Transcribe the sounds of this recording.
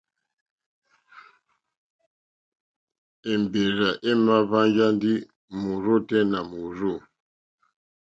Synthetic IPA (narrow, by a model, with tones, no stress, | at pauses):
e˨m˨be˨ɾa˨ʔe˦ma˦va˦ŋd͡ʒa˦ndi˦ | mu˨ɾo˦˨tɛ˦na˨mu˨ɾo˦˨